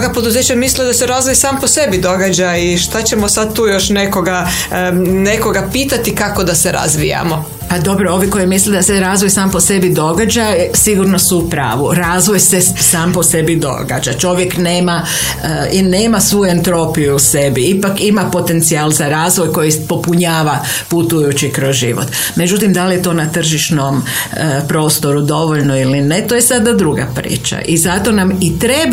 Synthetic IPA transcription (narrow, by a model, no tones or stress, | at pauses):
ɡapod̪uze̞ːt͡ɕamisled̪aseɾazʋojsaːmposebid̪oɡad͡ʒaiʃt̪at͡ɕemosad̪̚t̪uːjo̞ʃnekoɡa | neko̞ɡapiːt̪at̪ikako̞d̪aseɾa̰zʋḭja̰mo | pad̪o̞bɾoo̞ʋiko̞jimisled̪aseɾaːzʋojsaːmpo̞se̞bid̪o̞ɡad͡ʒasiɡuɾnosuːpɾa̰ːʋuɾaːzʋojsesaːmpo̞se̞bid̪o̞̰ɡa̰d͡ʒat͡ʃo̞ʋjekneːma | ineːmasʋuent̪ɾo̞pijuːse̞biipakimapo̞t̪e̞nt̪sialˠzaɾaːzʋo̞jko̞jipo̞puɲaːʋa | put̪ujut͡ʃikɾozʒiʋo̰t̪ | me̞d͡ʒut̪imd̪alijet̪o̞ːnat̪r̩ʒiʃnom | pɾo̞ːst̪o̞ɾud̪o̞ʋoʎno̞ilinet̪ojesad̪ad̪ɾuɡa̰pɾḭːt͡ʃa̰ʔizat̪o̞namit̪ɾe̞b